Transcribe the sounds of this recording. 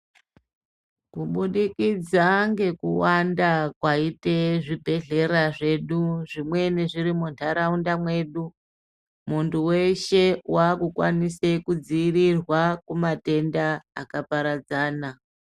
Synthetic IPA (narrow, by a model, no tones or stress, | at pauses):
kuɓuɗikid͡zaŋɡe̞kṵwandakwaiteʐibʱe̞ɮe̞ɾaʐe̞ɗuʐimwe̞neʐiɾimuntaɾaundamwe̞ɗu | muntʰuwe̞ʃewakukwa̰nisekud͡ziːrirwakumate̞nda̰ːkapaɾad͡zaːna